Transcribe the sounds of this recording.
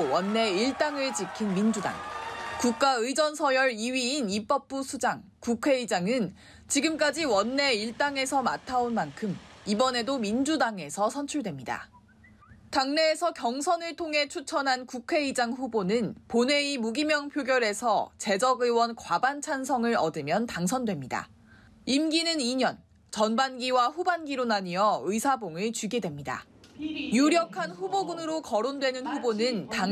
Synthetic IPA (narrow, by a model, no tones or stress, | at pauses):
wʌnːe̞iɭt͈aŋɯɭt͡ɕikʰinmind͡ʑuda̰ŋkuk̚k͈aɯid͡ʑʌnsʰʌjʌɾiɥiːnip͈ʌp̚p͈usʰud͡ʑaŋ | kukʰwe̞id͡ʑaŋɯn | t͡ɕiɡɯmk͈ad͡ʑiwʌnːe̞iɭt͈aŋe̞sʰʌmatʰaonmankʰɯmibʌne̞domind͡ʑudaŋe̞sʰʌsʰʌnt͡ɕʰuɭdwe̞mɲida̰ | taŋne̞ːsʰʌkjʌŋsʰʌnɯɭtʰoŋɦe̞t͡ɕʰut͡ɕʰʌnɦankukʰwe̞id͡ʑaŋɸubonɯnpone̞imuɡimjʌŋpʰjoɡjʌɾe̞sʰʌt͡ɕe̞d͡ʑʌɡɯwʌnkwabant͡ɕʰansʰʌŋɯɾʌ̰dɯmjʌntaŋsʰʌndwe̞mɲida̰ | imɡinɯniɲʌn | t͡ɕʌnbanɡiwaɸubanɡiɾonaɲiʌɯisʰaboŋɯɭt͡ɕɥiɡedwemɲida̰ | juɾjʌkʰanɸuboɡɯnɯɾokʌɾondwe̞nɯnɸubonɯnta